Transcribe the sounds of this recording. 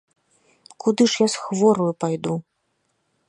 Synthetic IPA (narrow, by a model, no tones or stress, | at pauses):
kud̪ɨʂjasxvɔɾujupajd̪u